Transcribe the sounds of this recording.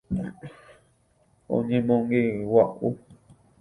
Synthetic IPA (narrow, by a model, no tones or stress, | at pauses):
õ̰ɲẽmõŋɡewaʔu